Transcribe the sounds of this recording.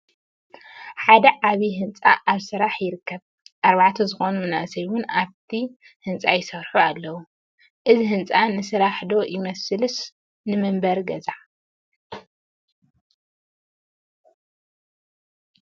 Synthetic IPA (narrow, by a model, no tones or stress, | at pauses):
ħad̪ɐʕaβiɦɨnt͡sʼa̰ʔaβsɨɾaħjɪɾɨkʰːɐβ | ʔaɾβaʕt̪ʰɐzɨxo̞numɨna̰ʔsɐjwʊnaβt̪ʰi | hɨnt͡sʼajɪsɐɾħualːɐwu | ʔɨziɦɨnt͡sʼanɨsɨɾaħd̪o̞jɪmɐsɨlɨs | nɨmɨmbɐɾɡɐzaʕ